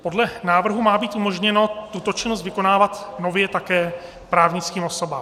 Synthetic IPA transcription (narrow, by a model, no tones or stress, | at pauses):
po̞dlɛnaːvr̩ɦumaːbiːt̪ʔumo̞ʒɲɛno̞t̪ut̪o̞t͡ʃɪnos̬t̪vɪko̞naːvat̪no̞vjɛt̪akɛː | pɾaːvɲɪt͡skiːmo̞so̞ba̰ː